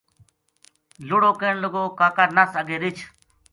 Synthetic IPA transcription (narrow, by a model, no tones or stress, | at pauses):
lʊɽoːkeːɳləɡoːkaːkaɾnəsəɡeːɾɪt͡ʃʰ